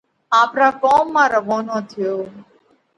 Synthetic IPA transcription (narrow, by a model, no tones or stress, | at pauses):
aːpɾaːkɔːmːãːɾəʋoːnoːt̪ʰijoː